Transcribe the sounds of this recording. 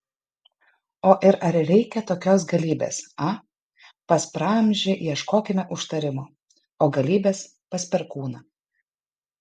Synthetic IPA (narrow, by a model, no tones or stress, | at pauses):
oːʔɪɾɐɾɾʲɛɪkʲɛt̪oːkʲoːs̬ɡɐlʲiːbʲḛːsɐ | pɐspɾɑːmʲʒʲɪjiɛʃkoːkʲɪmʲɛʔʊʃt̪ɐɾʲɪmo | oːɡɐlʲiːbʲeːs | pɐsʲpʲɛɾkuːnɐ